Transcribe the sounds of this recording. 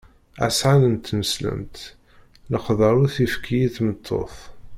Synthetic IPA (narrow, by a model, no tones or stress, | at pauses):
æ̰sʕanənt̪ːməslə̰mt̪ | ləqðˤɑɾˤuθifkʰijiθmət̪ʰːo̰θ